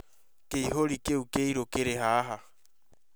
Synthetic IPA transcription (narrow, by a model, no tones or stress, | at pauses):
keiɦoɾikeukeiɾokeɾeɦaɦa